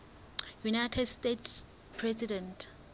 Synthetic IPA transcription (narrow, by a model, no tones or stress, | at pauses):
junajtʰɛdstetʰs | pʰrɛsidɛ̃ntʰ